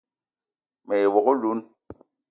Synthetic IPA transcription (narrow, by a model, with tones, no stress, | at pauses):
mɛ˨e˨wɔ˨ko˦lu˦n